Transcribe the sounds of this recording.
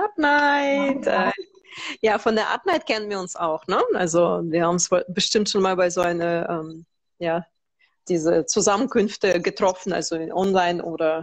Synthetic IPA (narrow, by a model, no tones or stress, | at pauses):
ʔapnaɪtʔɛ | jaːfɔndeːɐʔa̰p̚naɪtkʰɛnənviːʊnsaʊxnəʔa̰lzoviːɐhaːbm̩sv̥obəʃtɪmtʃoːnmaːlbaɪzoːʔaɪnɐʔɛːm | jaː | d̥iːzət͡suzamənkʏnftəɡətʁ̥ɔfn̩ʔa̰lzoʔɔnlaɪnʔoːdɐ